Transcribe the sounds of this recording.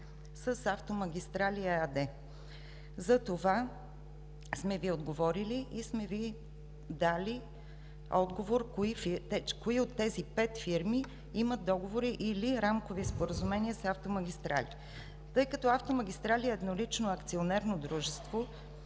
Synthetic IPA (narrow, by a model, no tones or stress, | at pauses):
səsaft̪omɐɡʲist̪ɾalʲiɛad̪ɛ | zɐt̪ova | smɛviod̪ɡovɔɾiliismɛvi | d̪ali | ɔd̪ɡovoɾkoifit̪ɛkoiot̪ːɛzipɛt̪fiɾmi | iməd̪̚d̪ɔɡovoɾiʔiliɾamkovispoɾəzumɛniəsaft̪omɐɡʲist̪ɾa̰lḭ | t̪ɤjkət̪ɔaft̪omɐɡʲist̪ɾaliəːd̪nolit͡ʃnoɐkt̪sionɛɾnod̪ɾuʒɛst̪vo